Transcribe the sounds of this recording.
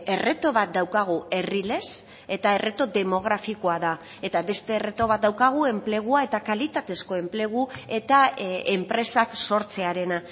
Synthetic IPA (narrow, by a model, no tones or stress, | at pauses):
ere̞t̪o̞βat̪̚d̪awkaɣ̞ue̞rile̞s | e̞t̪ae̞re̞t̪o̞d̪e̞mo̞ɣ̞ɾafiko̞aða | e̞t̪aβe̞st̪e̞ːre̞t̪o̞βat̪̚d̪awkaɣ̞ue̞mple̞ɣ̞uae̞t̪akalit̪at̪esko̞e̞mple̞ɣ̞ue̞t̪aempɾe̞sakso̞ɾt͡se̞aɾe̞na